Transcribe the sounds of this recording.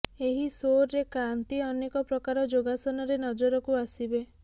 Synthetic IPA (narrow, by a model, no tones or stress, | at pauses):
eɦisoɾːekɾant̪iɔnekɔpɾɔkaɾɔd͡ʒoɡasɔnɔɾenɔd͡ʒɔɾɔkuasibe